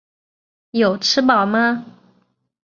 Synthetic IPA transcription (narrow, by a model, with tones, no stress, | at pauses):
jo˨˩ʊʈ͡ʂʰɻ̩˥pɑ˨˩ʊma˦